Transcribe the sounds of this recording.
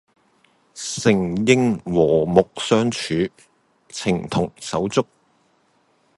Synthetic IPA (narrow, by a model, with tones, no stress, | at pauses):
sɪ˨˩ŋjɪ˥ŋwɔː˨˩mʊ˨k̚sœː˧ŋt͡ʃʰyː˨˥ | t͡sʰɪ˨˩ŋt̪ʰʊ˨˩ŋsɐ˨˥wt͡sʊ˥k̚